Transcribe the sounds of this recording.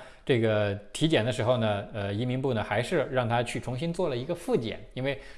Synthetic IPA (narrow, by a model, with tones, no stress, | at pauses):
ʈ͡ʂɤ˥˩ɡə˩t̪ʰi˧˥t͡ɕjɛ˨˩nd̪ə˦ʂɻ̩˧˥xo˧ʊnə˩ə˧i˧˥mi˧˥ŋpu˥˩nə˩xa˧˥ɪʂɻ̩˥˧ɻɑ˥˩ŋt̪ʰa˥t͡ɕʰy˥˩ʈ͡ʂʰʊ˧˥ŋɕi˥nt͡swɔ˥˩lə˩i˧˥ɡə˧fu˥˩t͡ɕjɛ̰˨˩˦ni˥nwe˥˩ɪ